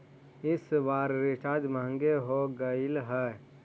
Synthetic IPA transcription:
ɪsʋaːɾɾɪt͡ʃaːd͡ʒmãːŋɡeɦoɡəɪlɦɛː

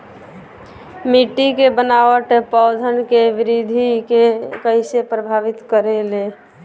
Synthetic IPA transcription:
miʈikebənaʋəʈpɔʊd̪ʱənkeʋɪɾid̪ʱikekəɪsepɾəbʱaʋit̪kəɾele

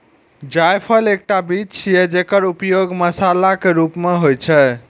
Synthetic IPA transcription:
d͡ʒajpʰəlek̚ʈabit͡ʃʰjɛd͡ʒekəɾupjoɡməsalakeɾupmeɦojt͡ʃʰɛ

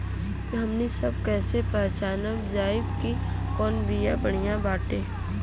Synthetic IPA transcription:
ɦɐmnisɐbkɛːsepɛːt͡ʃaːnəkzaːɪbki | kɔːnbijabəɽ̤̃ijãbaːʈeː

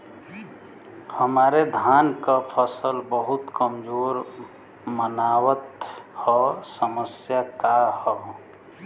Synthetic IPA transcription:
həmaːɾed̪ʱaːnkapʰəsəlbəɦut̪kəmd͡ʒoːɾ | mənaːwət̪hɔsəməsjakahɔ

